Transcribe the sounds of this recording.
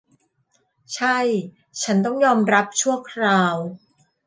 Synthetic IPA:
t͡ɕʰa˥˩j | t͡ɕʰa˦˥nt̪̬ɔ˥˩ŋjɔː˧mɾa˦˥p̚t͡ɕʰu˥˩əkʰɾaː˧w

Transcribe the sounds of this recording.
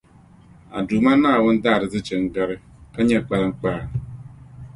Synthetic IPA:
a̰˨du˨ma˦na˦a˨wʊ˦n̩˦da˦a˨ɾɪ˨zɪ˦t͡ʃe˨ŋ̩˦ɡa˦ɾɪ˦ | ka˦ɲe˦˨k͡pa˦˨ŋ͡m̩˦k͡pa˦˨

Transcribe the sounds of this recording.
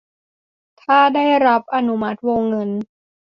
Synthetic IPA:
t̪ʰaː˥˩daː˥˩jɾa˦˥p̚ʔa˧nu˦˥ma˦˥t̪̚woː˧ŋːɤ˧n

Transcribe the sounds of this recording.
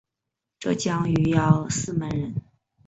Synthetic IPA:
ʈ͡ʂɤ˥˧t͡ɕjɑ˥ŋy˧˥jɑ˥˩ʊsɹ̩˥˩mə˧˥nɻə˧˥n

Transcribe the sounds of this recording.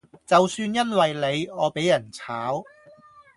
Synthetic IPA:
t͡sɐ˨wsyː˧njɐ˥nwɐ˨jle˨˧jɔː˨˧pe˨˥jɐ˨˩nt͡sʰaː˨˥w

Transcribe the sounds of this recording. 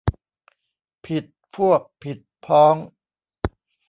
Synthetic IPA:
pʰi˨˩t̪̚pʰu˥˩ək̚pʰi˨˩t̪̚pʰɔː˦˥ŋ

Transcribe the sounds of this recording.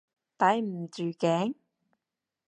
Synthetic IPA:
t̪ɐ˨˥jm̩˨˩t͡syː˨˩kɛː˨˥ŋ

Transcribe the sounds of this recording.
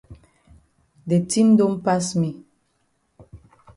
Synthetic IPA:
de˨tĩ˦mdõ˦mpa˦smi˨

